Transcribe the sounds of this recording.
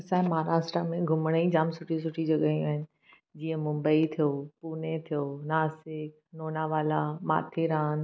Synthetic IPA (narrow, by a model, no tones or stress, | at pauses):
ɐsãːmaːɾaːsʈɾamẽɡʱʊmɽ̃əid͡ʑaːmsʊʈʰis̬ʊʈʰid͡ʑɐɠaːijũaːɦɪnɪ̆ | d͡ʑiːə̃mʊ̃mbəit̪ʰijoːpuːnet̪ʰijoːnaːsɪk̚noːnaʋaːlama̰ːt̪ʰiɾaːn